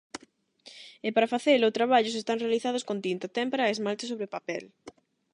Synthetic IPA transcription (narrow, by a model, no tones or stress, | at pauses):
ɪpaɾafaθelot̪ɾaβ̞aʎʊs̬est̪aŋrealiθað̞ʊskõnt̪int̪at̪ɛmpɾaezmalt̪ɪsoβɾepapɛl